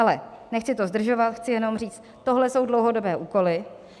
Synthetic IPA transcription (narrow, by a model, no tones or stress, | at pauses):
alɛ̰nɛxt͡sɪt̪ozd̪r̩ʒo̞vat̪xt͡sɪjɛno̞mriːt͡st̪ | t̪oɦlɛso̞wdlowɦo̞do̞bɛːʔuːko̞lɪ